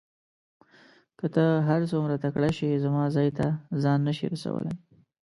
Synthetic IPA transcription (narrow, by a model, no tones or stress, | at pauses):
kət̪əɦaɾsomɾat̪akɽaʃizamɑzɑjt̪azɑnːaʃḭɾasa̰wə̰la̰j